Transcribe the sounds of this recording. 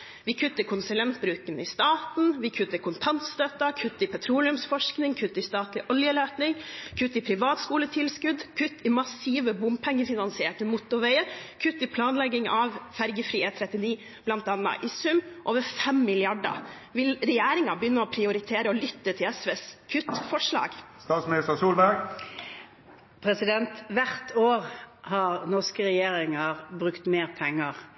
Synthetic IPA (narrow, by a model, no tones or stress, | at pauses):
ʋɪkʰʉt̪ːəkʰʊnsʉlɛnt̪̚bɾʉːkənɪst̪ɑːt̪n̩ʋɪkʰʉt̪ːəkʰʊnt̪ʰɑnt̪st̪øːt̪ɑkʰʉt̪ːɪpʰɛt̪ʰɾuːlɪʉmsfɔʂknɪŋkʰʉt̪ːɪst̪ɑːt̪lɪʔɔljəløːt̪nɪŋkʰʉt̪ːɪpʰɾɪʋɑːt̪skuːlət̪ʰɪlskʉd̪kʰʉt̪ːɪmɑsiːʋəbʊmpʰɛŋːəfɪnɑnsɪeːʈəmʊt̪ʊʋɛɪəkʰʉt̪ːɪpʰlɑːnlɛɡːɪŋɑʋfæɾɡəfɾiːeːt̪ʰɾɛt̪ːɪniː | b̥lɑnt̪ɑnːɑ̰ʔɪsʉmːʔoːʋəɾfɛmːɪlɪɑɖə̰ | ʋɪlɾɛjeːɾɪŋɑbəjʏnːəɔpʰɾɪʊɾɪt̪ʰeːɾəɔlʏt̪ːət̪ʰɪlɛsʋeːskʰʉt̪fɔʂlɑ̰ːɡst̪ɑːt̪smɪnɪst̪əsuːlbæɡ | pʰɾɛsɪd̪ɛnt̪ʋæɾt̪ʰoːʁhɑɾnɔskəɾɛjeːɾɪŋəʁbʁʉkt̪meːʁpʰɛŋːəʁ